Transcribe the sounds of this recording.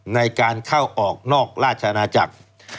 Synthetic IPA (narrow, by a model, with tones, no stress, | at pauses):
na˧jkaː˧nkʰa˥˩wʔɔː˨˩k̚nɔː˥˩k̚ɾaː˥˩t̪̚t͡ɕʰa˧ʔa˧naː˧t͡ɕa̰˨˩k̚